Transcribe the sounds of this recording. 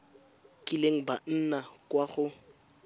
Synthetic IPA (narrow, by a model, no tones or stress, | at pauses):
kʼileŋ̩ban̩nakʼwaχʊ